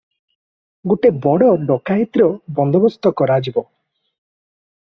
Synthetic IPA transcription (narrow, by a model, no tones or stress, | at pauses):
ɡoʈebɔɽɔɖɔkait̪iɾɔbɔnd̪ɔbɔst̪ɔkɔɾad͡ʒibɔ